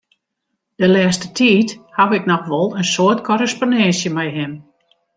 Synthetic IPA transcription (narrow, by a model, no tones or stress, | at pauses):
d̥əlɛːstətʰiːthaʋɪknɔxʋɔlˠənsoətkʰɔɾəspondɛnsjəmɛjɦɪm